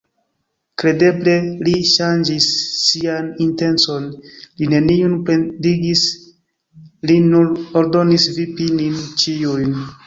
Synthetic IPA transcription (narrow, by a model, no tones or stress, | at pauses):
kɾe̞de̞ble̞liʃand͡ʒisːianinte̞nt͡so̞nline̞niunpe̞ndiɡis | linuɾo̞ɾdo̞nisvipinint͡ʃijujn